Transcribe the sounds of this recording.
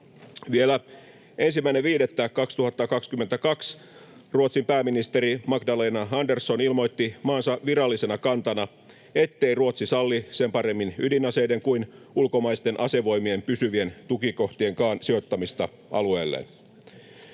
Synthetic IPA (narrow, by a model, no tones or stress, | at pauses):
ʋielæ | e̞nsimːæineʋiːdet̪ːækɑkst̪uhɑt̪ːɑkɑkskymːent̪ækɑks | ruot̪simpæːminist̪e̞ɾimɑkdɑleːnɑɑndersːo̞nilmo̞jt̪ːimɑːnsɑʋirɑlːisenɑkɑnt̪ɑnɑ | e̞t̪ːe̞iruot̪sisɑlːise̞mpɑɾe̞mːinydinɑse̞jde̞ŋkuin | ulkomɑist̪e̞nʔɑse̞ʋo̞jmie̞mpysyʋie̞nt̪ukiko̞ht̪ie̞ŋkɑːnsio̞t̪ːɑmist̪ɑ | ʔɑ̰lue̞̰ːlːḛn